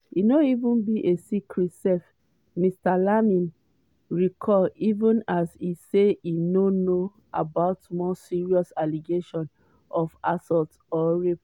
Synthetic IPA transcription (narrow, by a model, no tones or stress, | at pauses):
inoivũnbiʔesikɹitsɛf | mistalamĩn | ɹikʰɔivũnasiseinono | a̰baʊtmɔsiɹiɔsaliɡeʃɔ̃n | ɔfasɔlt | ɔɹep